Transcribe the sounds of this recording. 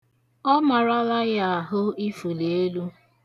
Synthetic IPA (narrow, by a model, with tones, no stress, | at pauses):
ɔ˦ma˨ɾa˦la˦ja˨a˨ɦʊ˦i˦fu˨le˨e˦lu˦